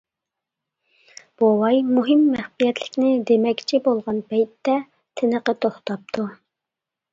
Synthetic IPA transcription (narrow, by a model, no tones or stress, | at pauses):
b̥owɑjmuɦɪmːɛχpijɛt̪lɪkʲnɪd̪emɛkʲt͡ʃʰibolˠʁɑnpɛjt̪ːɛ | t̪ʰɪnəqət̪ʰoχt̪ʰɑp̚t̪ʰu